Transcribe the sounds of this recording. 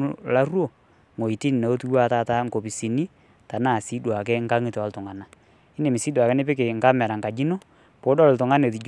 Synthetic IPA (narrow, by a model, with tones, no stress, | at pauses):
la˦rwo˨ | ŋo˨i˨ti˦n˨na˨o˦tu˦wa˦˨˦ta˦˨ta˦ŋko˨pi˨si˨ni˦ | ta˨naː˦˨si˦dwa˨k̬ɛ˦ŋka˦ŋi˦tɔ˦ltʊ˨ŋa˨na˦ | ɪ˦ne˨mi˨si˦dwa˨kɛ˦nɪ˦pɪ˦k̬e˨ŋka˦mɛ˨ɾa˨ŋka˨d͡ʒi˦no˦ | po˨˦dɔ˦ltʊ˨ŋa˦ne˨t̬i˨d͡ʒ